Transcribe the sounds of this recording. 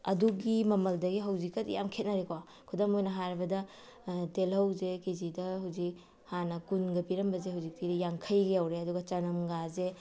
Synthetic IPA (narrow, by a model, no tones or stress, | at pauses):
ɐ̰duɡimɐmɐldɐɡiɦɐwzikːɐtḭja̰mkʰet̚nɐɾekwa | kʰudɐmojnɐɦaɾbɐdɐ | telɐwzekezidɐhɐwzik̚ | hanɐkunɡɐpiɾɐmbɐzehɐwzik̚tidɐjaŋkʰɐjɡɐjawɾeɐduɡɐt͡ʃɐnɐmɡaze